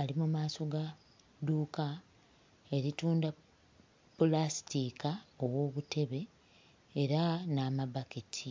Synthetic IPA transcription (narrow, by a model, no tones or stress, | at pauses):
alimumaːso̞ɡa | duːka | e̞ɾituːnda | pːolastikao̞wo̞ːβute̞βe̞ː | ɾanaːmaβakitʰi